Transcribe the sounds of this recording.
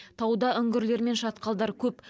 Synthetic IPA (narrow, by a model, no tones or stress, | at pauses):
t̪ʰɑwd̪ɑʏŋɡʲɪɾle̞ɾme̞nʃɑt̪qɑlˠd̪ɑɾkʲʰɵp